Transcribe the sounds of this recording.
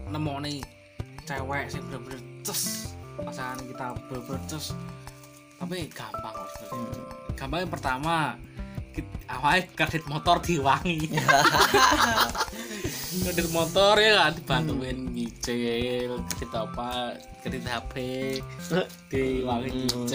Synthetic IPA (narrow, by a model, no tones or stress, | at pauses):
nəmɔne | t͡ʃɛwɛʔsɪb̥əɾabənərt͡ʃəspasaankit̪ab̥əɾab̥ənərt͡ʃəs | apiɡ̥ampaŋast̪uɡ̥a̤mpaŋjaŋpərt̪ama | kiawaekərd̥it̪̚mɔt̪ɔrd̪̥iwaŋi | kərdɪt̪̚mɔt̪ɔrjəŋad̪̥i̤b̥ant̪uwenkit͡ʃɪlkərdit̪aupa | kərdit̪ɦab̥e | d̪̥iwaŋiɲit͡ʃ